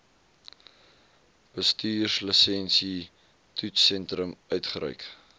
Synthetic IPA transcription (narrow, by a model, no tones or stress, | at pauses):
b̥əstyːrsləsɛnsi | tʰutsɛntɾəmœɥtχəɾœ̰ɥk